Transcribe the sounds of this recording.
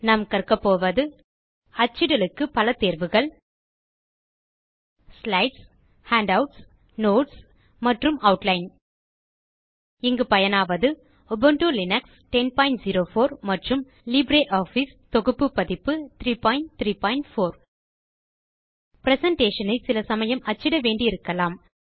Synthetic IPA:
nɐmkɐrkɐpːoːʋɐðɯ | ɐt͡ʃːɪɽɐlɯkːɯpɐlɐt̪eːɾʋɯɣɐɭ | slɐɪʈs | haːɳɖɐʊʈs | noːʈs | mɐʈrɯmɐʊʈlɐɪn | ɪŋɡɯpɐjɐnaːʋɐðɯ | ɔbɐɳʈulɪnɐks | ʈɛnpɐɪɳʈziɾoːfoːɾmɐʈrɯm | libɾeːʔaːfis | t̪ɔɣɯpːɯpːɐðɪpːɯt̪ɾiːpaːɪɳʈt̪ɾiːpaːɪɳʈfoːɾ | pɾɛsɐɳʈeːʂɐnɐɪsɪlɐsɐmɐjɐmɐt͡ʃːɪɽɐʋeːɳɖiɪɾɯkːɐlaːm

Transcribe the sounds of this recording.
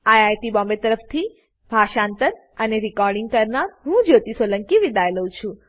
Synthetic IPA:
ajajʈibɔ̃mbet̪əɾəft̪ʰi | bʱaʃãnt̪əɾ | əneɾikɔɾɖiŋɡ̚kəɾnaɾɦũd͡ʒot̪isələŋkiʋid̪ajləũt͡ʃʰũ

